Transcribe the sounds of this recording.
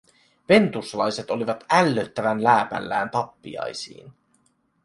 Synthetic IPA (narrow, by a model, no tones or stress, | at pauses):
ʋe̞nt̪uslɑjse̞t̪o̞liʋɑt̪ælːøt̪ːæʋænlæːpæ̰lːæːnt̪ɑpːḭɑ̰jsḭːn